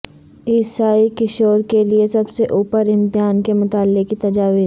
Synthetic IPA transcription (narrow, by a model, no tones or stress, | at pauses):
ɪːsaːikɪʃoːɾkeliesɐbseʔuːpəɾɪ̃mt̪ɪɦaːnkemʊt̪aːlːekit̪ɐd͡ʒaːʋi